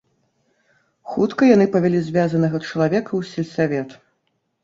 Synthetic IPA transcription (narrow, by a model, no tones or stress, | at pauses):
xut̪kɐjanɨpɐvʲalʲizʲvʲazɐnɐɣɐt͡ʂɐlˠavʲɛkɐwsʲɛlʲsavʲɛt̪